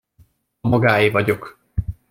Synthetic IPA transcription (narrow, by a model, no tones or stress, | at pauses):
mɒɡaːjivɒɟo̞k